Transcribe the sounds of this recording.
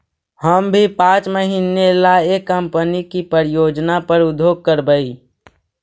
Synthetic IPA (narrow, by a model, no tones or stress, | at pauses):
həmbʱipãːt͡ʃməɦiːnelaekːəmpənikipəɾjoːd͡ʒnapəɾʊd̪ʱjoːɡ̚kəɾbəi